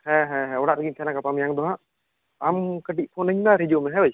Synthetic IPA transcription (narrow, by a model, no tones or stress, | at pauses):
hɛ̃ɦɛ̃ɦɛ̃ɔɽaʔɾəɡimsʰɛnakapamjaŋd̪ɔɦaʔ | amkəʈ̬iʔ̚ˀpʰɔnəɲnaɾid͡ʒomɛɦɛ̃bəj